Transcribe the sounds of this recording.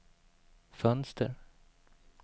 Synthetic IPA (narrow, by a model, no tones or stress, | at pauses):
fœnst̪ʰə̰ɾ